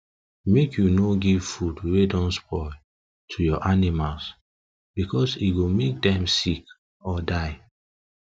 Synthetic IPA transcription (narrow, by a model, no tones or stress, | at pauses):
mekʰjunoɡivfudwedɔ̃nspɔɪ | tʰujɔʔanimals | b̥ikʰɔsiɡomek̚dɛ̃msik | ɔdaɪ